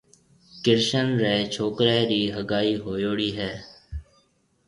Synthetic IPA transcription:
kɪɾʃənɾɛːt͡ʃʰoːkɾɛːɾiːɦəɡaːiːɦoːjoːɽiːɦɛː

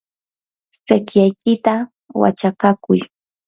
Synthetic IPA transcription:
sɪkjajk̚ɪt̪a | wa̰t͡ʃakakʊj

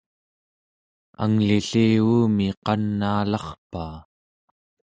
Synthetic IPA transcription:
a̰ŋliɬiːuːmiqɑnːaːlɑχpaː

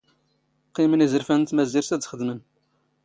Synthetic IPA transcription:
qːimənizəɾfænt̪mæziɾsæd̪t͡sχəd̪mən

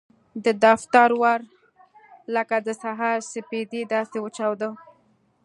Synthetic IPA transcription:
d̪əd̪aft̪aɾwaɾ | ləkad̪əsaɦɑɾsɪped̪id̪ɑsewət͡ʃawd̪ə

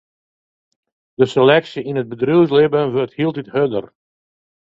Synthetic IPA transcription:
d̥əselɛksiinəd̚bədrywslɪbənʋøɹthilˠtithødər

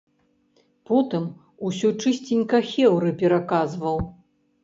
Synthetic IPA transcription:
pɔt̪ɨm | usʲut͡ʂɨsʲt͡sʲinʲkɐxʲɛwɾɨpʲɛɾakazvɐw

